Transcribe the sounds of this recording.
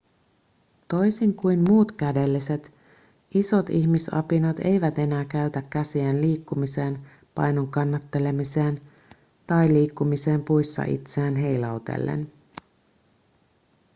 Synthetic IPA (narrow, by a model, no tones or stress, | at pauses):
t̪o̞jsiŋkujmmuːt̪k̟æde̞lːise̞t̪ | iso̞t̪içmisɑ̰pinɑt̪e̞jʋæt̪e̞næːkæyt̪ækːæsiænliːkːumise̞ːn | pɑ̰jnoŋkɑnːɑt̪ːe̞le̞mise̞ːn | t̪ɑjliːkːumise̞ːmpujsːɑ̰ʔḭt̪seæːnɦe̞jlɑwt̪e̞̰lːḛn